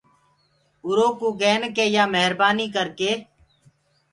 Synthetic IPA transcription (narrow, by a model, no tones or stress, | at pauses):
ʊɾoːkuːɡeːnkeːjaːmeɦɾbaːniːkəɾkeː